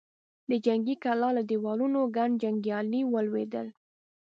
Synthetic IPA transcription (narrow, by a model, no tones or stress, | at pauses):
d̪əd͡ʒaŋɡikalɑlad̪ewɑlunoɡaɳɖd͡ʒaŋɡjɑliwəlwed̪əl